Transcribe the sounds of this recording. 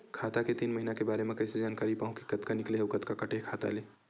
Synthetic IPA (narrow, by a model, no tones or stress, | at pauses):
kʰaːt̪aket̪iːnmɐɦinakebaːɾemẽkɐɪsed͡ʒaːnkaːɾipãːɦʊ̃kikɐt̪kanɪkleɦeʊkət̪kakɐʈʰeɦkʰaːt̪a̰leː